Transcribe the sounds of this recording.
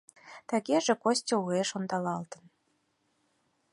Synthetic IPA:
t̪æɣeʒĕkosʲtʲoueʃond̪ɑlɑlt̪ə̆n

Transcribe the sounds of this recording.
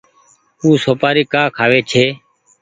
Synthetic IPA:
uːsoːpaːɾiːkaːkʰaːʋeːt͡ʃʰeː

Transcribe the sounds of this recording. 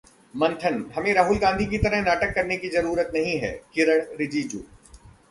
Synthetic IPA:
mɐ̃nʈ̪ʰənɦɐmẽɾaːɦʊlɡãːnd̪ʱikit̪ɐɾəɦnaːʈəkːɐɾnekizɐɾuːɾət̪nɐɦĩɦɛ̰ːkɪɾəɽ̃ɾɪd͡ʒiːd͡ʒṵː

